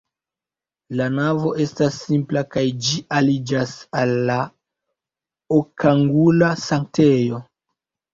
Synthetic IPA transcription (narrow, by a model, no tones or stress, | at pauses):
lanavo̞ʔe̞stasːimplakajd͡ʒiʔalid͡ʒasalːa | okaŋɡulasaŋk̚tejo̞